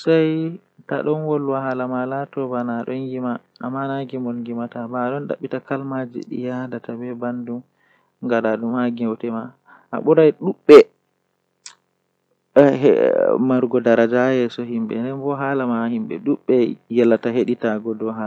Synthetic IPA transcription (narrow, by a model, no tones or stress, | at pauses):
saj | ta̰ɗɔnwɔlwaɦalamalatɔbanaɗɔnjima̰ːmːanaɡɛmɔlŋɡimatabaɗɔnɗa̰ɓːitakalmad͡ʒḭɗḭjadatabɛbandum | ŋɡadaɗumhaɡɛwtɛma | ʔa̰ɓɔɾajɗuɓːɛ | maɾɡɔdaɾad͡ʒajɛsɔɦimbɛ̰ndɛnbɔɦalamahimbɛ̰ɗuɓːɛjɛlːataɦeɗitaɡɔdɔɦaa